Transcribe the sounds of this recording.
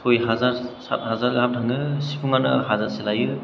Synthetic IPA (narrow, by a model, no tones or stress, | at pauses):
sʰojɦazaɾsa̰t̚hazaɾɡap̚tʰaŋɯsipʰuŋanɯ̰hazaselajɯ